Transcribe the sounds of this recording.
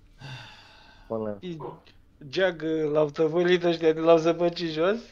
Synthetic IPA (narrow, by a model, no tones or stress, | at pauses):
li | d͡ʒaɡlawt̪əvəlit̪əʃ̬t̪ʲailaws̬əpət͡ʃiʒos